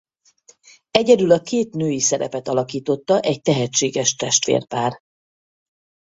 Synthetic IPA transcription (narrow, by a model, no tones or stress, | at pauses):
ɛɟɛd̪ylɒkeːt̪nøːjisɛɾɛ̰pɛt̪ɒlɒkiːt̪o̞t̪ːɒʔɛc̚t̪ɛɦɛt͡ʃːeːɡɛʃt̪ɛʃt̪ʋḛːrpaːr